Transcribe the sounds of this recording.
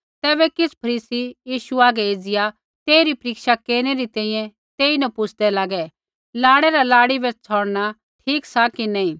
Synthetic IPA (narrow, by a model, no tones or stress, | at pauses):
t̪ɛːβɛkɪspʰɐɾiːsijiːʃuaːɡɛeːd͡zɪja | t̪eːiɾipɾɪːkʃakeːɾñeɾit̪ɛ̃ːĩːjɛ̃ | t̪eːinɐpʊt͡sʰd̪ɛlaːɡɛ | laːɽɛɾalaːɽibɛt͡sʰɔːɽna | ʈʰiːksakinɐĩː